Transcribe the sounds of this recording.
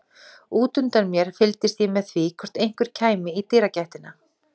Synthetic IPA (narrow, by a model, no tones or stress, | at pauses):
uːt̪ʏnt̪aɾmjɛɾ̥fɪlt̪ɪst̪jɛmɛðθvikʰɔɾ̥t̪ejŋ̥kvʏɾ̥cʰaːjmɪit̪ɪːɾacajht̪ɪna